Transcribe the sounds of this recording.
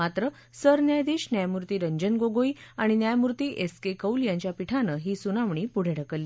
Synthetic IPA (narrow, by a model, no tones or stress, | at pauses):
at̪ɾə | səɾnjajd̪iːɕnjajmuɾt̪iːɾəɲd͡ʑənɡoɡoiaɽ̃injajmuɾt̪iːʔeskekəuljãɲt͡ɕjapiʈʰanəːɦiːsunaʋɳiːpuɽ̤ʱeɽ̤ʱəkəlːiː